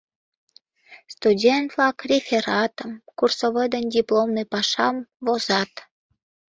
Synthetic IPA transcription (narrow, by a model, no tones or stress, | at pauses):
st̪udʲent̪vlɑkrʲefʲeɾɑt̪əmkursoβəd̪ənʲdʲiplomnɨpɑʃɑmvozɑt̪